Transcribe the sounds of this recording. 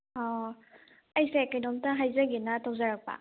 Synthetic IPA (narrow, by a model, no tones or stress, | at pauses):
ɔ | ajsekajdɔmtaɦajzaɡinatʰɔwzaɾak̚pa̰